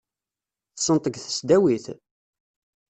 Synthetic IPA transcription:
θsənt̪ˤəɡθə̥sd̪æwiθ

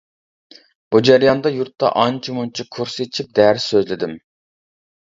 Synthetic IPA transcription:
b̥ud͡ʒæɾjɑnd̪ɑjuɾt̪ːɑ̰ʔɑnt͡ʃʰimunt͡ʃʰikʰuɾset͡ʃʰip̚d̪ɛɾsøzlɪd̪ɪm

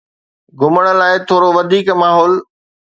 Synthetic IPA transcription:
ɡʱʊməɽ̃ə̆laːɪt̪ʰoːɾoʋɐd̪ʱiːkmaːɦɔːl

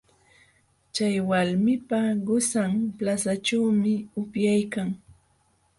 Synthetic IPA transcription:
t͡ʃajwalmɪpaɢʊsamplasaʈ͡ʂawmɪʊpjajkaŋ

